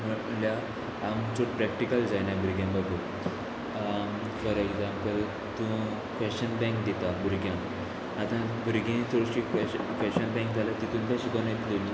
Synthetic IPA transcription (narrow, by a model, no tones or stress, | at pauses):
m̤əʈlja | amt͡soʈpɾɛkʈikəld͡zajnãbʱuɾɡjãmbəbu | fəɾeɡd͡zãmpəl | t̪ũ | fɛɕənbɛ̃ŋkd̪it̪abuɾɡjãm | at̪ãbuɾɡẽt͡s̪ʰɔɽsikffɛɕənbɛ̃ŋk̚d͡zʱalat̪it̪ũːnp̪ãsikɔnet̪loni